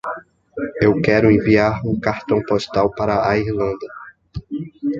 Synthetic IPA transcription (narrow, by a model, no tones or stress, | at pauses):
ewkɛɾʊẽviaɾũkaɾt̪ɐ̃w̃poʃt̪awpaɾɐaiɾlɐ̃nd̪ɐ